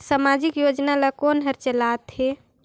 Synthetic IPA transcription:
samad͡ʒikjod͡ʒnalakonɦəɾt͡ʃəlat̪ɦe

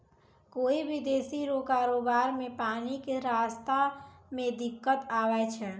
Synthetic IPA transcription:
koːibʱid̪eːsiɾokaːɾoːbaːɾmẽpaːnikeɾaːst̪amẽd̪ɪkːət̪aːwɛt͡ʃʰɛː

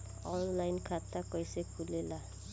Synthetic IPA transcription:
ɔnlajnkʰat̪akɔjsekʰulela

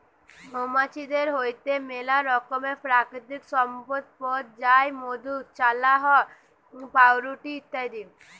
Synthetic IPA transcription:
ɦomat͡ʃid̪eɾɦoːjt̪emelaɾɔkomepɾaːkɾɪt̪ɪksɔmpət̪̚pɔːt̪̚d͡ʒaːjmod̪ut͡ʃalaɦɔ | paːwɾuʈit̪əd̪i

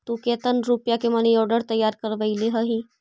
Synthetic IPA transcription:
t̪ukeːt̪ənɾupjakemɐnijɔːɾɖəɾt̪əjːaːɾkəɾʋəileɦəɦĩː

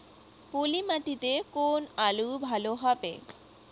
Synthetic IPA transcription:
polimaʈit̪ekonalubʱaloɦɔbḛ

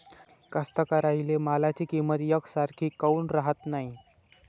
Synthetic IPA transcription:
kəst̪əkaɾailemalat͡ɕiːkimət̪jəkʰsaɾkʰiːkəunɾaɦət̪naɦi

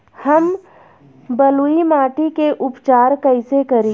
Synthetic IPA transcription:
hɐm | bəluimaːʈikeʔʊpt͡ʃaːɾkəɪsekɐɾẽ

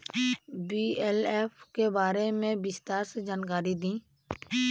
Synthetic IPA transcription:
biːɛːleːfkebaːɾemẽbɪst̪aːɾsed͡ʒaːnk̬aːɾid̪ĩː

